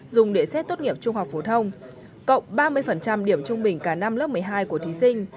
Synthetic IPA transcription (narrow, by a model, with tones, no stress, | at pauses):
zʊ˨˩ŋ͡mɗe˧˩sɛ˦˥t̚t̪o˦˥t̚ŋi˧˩əp̚t͡ɕʊ˧ŋ͡mha˨˩wk͡p̚fo˨˦t̪ʰə˧wŋ͡m | kə̰˧˨wŋ͡mɓaː˧mɨ˧əjfə˨˩nt͡ɕa˧mɗi˧˩əmt͡ɕʊ˧ŋ͡mɓï˨˩ŋ̟kaː˧˩na˧mlə˦˥p̚mɨ˨˩əjɦaː˧jku˧˩ət̪i˨˦sï˧ŋ̟